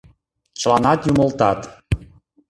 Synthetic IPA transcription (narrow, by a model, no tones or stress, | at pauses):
t͡ɕəlɑnɑt̪juməlt̪ɑt̪